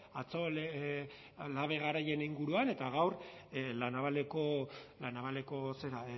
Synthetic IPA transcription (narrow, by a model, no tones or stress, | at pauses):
at͡so̞le | laβe̞ɣ̞aɾaje̞niŋɡuɾuane̞t̪aɣ̞awrlanaβaleko̞lanaβale̞ko̞se̞ɾa